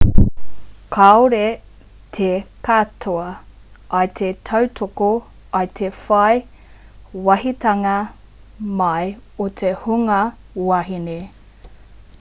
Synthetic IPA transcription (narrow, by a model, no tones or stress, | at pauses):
kʰaoɾe | t̪ʰekatʰoɐ | ɐjt̪ʰetʰɐwt̪ʰoko | ɐjt̪ʰefɐj | wɐɦitɐŋɐ | mɐjot̪ʰehuŋɐ | waɦine